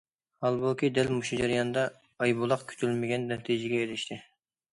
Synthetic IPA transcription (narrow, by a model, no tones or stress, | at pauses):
hɑlˠbokʲʰid̪ɛlmuʃud͡ʒɛɾɨjɑnd̪ɑː | jbulˠɑqkʲʰy̥t͡ʃ̪ʰylmɪɡʲɛnːɛt̪ʰid͡ʒɪɡʲɛelɪʃt̪ʰɪ